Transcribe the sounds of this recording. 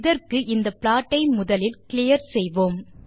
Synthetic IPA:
ðɐrkɯʔɪnd̪ɐpɪlaːʈːɐɪmʊðɐlɪlkɪlɪjɐɾsɛjʋoːm

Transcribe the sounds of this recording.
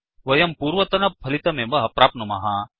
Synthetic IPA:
ʋɐjɐmpuːɾʋɐt̪ɐnɐpʰɐlit̪ɐmẽʋɐɦɐpɾaːpnumaɦãː

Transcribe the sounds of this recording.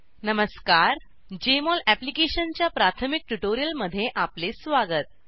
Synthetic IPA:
nəməskaɾ | d͡ʑemɔlæplikeɕənt͡ɕjapɾat̪ʰəmik̚ʈuʈoɾijəlməd̪ʱːjeʔaplesʋaɡət̪̚

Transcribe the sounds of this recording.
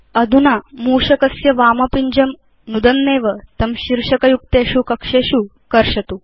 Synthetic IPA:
ɐd̪ʱunamuːʂɐkɐsjɐʋaːmɐpiɲd͡ʑɐm | nud̪ɐnːeːʋət̪ɐmɕiɾʂɐkɐjuk̚t̪eɕuːkɐkʂeɕu | kɐɾʂɐt̪u

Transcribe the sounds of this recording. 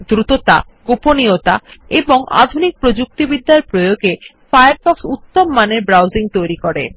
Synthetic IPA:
d̪ɾut̪ot̪a | ɡ̥oponiot̪a̰eboŋa̰d̪ʱunik̚pɾod͡ʑuk̚t̪ibid̪ːaɾpɾojoɡe | fajaɾfɔksut̪ːomːaneɾbɾawziŋt̪ojɾikoɾḛ

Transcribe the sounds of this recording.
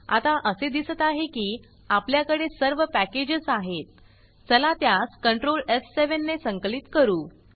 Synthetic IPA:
a̰t̪aʔəsed̪isət̪aɦekiː | apljakəɽesəɾʋəpæked͡ʑəsaɦet̪̚ | t͡səlat̪jaskəɳʈɾolefseʋənːesəŋklit̪kəɾuː

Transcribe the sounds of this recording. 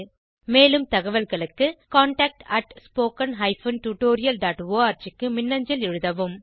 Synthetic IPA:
meːlɯmt̪ɐɣɐʋɐlɣɐɭɯkːɯkaːɳʈaːk̚ʈɐʈspoːkɐnɦɐɪfɐnʈuːʈoːɾɪjɐlɖaːʈʋoːaːɾt͡ʃɪkːɯmɪnːɐɲd͡ʒɐlɛɻɯðɐʋɯm

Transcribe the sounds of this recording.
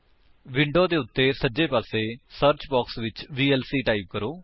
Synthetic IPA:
ʋɪɳɖoːd̪eːʊt̪ːeːsəd͡ʒeːpaːseːsəɾt͡ʃbɔːksʋɪt͡ʃʋiːɛːlsiːʈaːiːb̚kəɾoː

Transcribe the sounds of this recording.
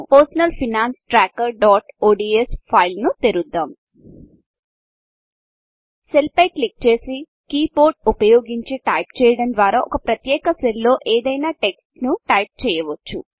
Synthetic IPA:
poːɾsɐnɐlpʰinaːnsʈɾaːkɐɾɖaːʈoːɖiːespʰɐjlnut̪eɾud̪ːaːm | selpɐjk̚lik̚t͡ʃe̞ːsi | kiːpo̞ːɾʈ̚upɐjoːɡiɲt͡ʃiʈɐjpt͡ʃɛːjɐɽɐnd̪ʋaːɾaːʔɔ̰kɐpɾɐt̪jɛːkɐsello̞ːʔeːd̪ɐjnaːʈe̞ksnuʈɐjp̚t͡ʃɛːjɐʋɐt͡ʃːṵ

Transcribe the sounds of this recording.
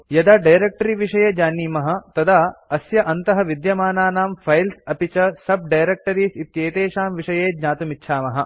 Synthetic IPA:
jɐd̪aːɖɐjɾek̚ʈɐɾiʋiʂɐjeːd͡ʒaːniːmɐɦɐ̆t̪ɐd̪aːɐsjɐʔɐnt̪ɐɦɐʋid̪jɐmaːnaːnaːmfʰɐjlsɐpit͡ʃɐsɐb̚ɖɐjɾek̚ʈɐɾiːsit̪jeːt̪eːʃaːmʋiʂɐjeːd͡ʒɲaːt̪umitːʃʰaːmɐɦɐ̆

